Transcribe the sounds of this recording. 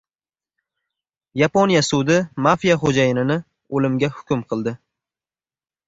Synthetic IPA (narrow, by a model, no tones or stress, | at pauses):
japonijasʊd̪ɪmafijaχod͡ʒajɪnɪnɪ | olɪmɡʲahʊ̥kʲʊmqʰɨlˠd̪ɪ